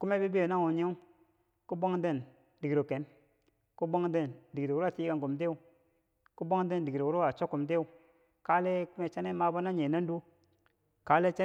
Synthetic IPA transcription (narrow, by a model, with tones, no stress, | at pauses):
ku˦me˦bi˦bi˦jo˨na˦wu˨ɲe˦ | ku˦bo˦ŋ˦de˦˨n | di˨ɡɾo˨ke˨n | ku˦bo˦ŋde˦˨ndi˨ɡɾwa˨ti˦ɡa˨ŋku˨mt̬e˦u˨ | ku˦bo˦ŋ˦de˦˨ndi˨ɡɾo˨wu˨˦ɾo˦wa˨t͡ʃo˦kːu˨mt̬e˦u˦˨ | ka˦le˦ku˦me˦t͡ʃa˦ne˦ma˦ba˦na˦ɲe˨na˦n˦du˦ | ka˨˦le˦t͡ʃa˦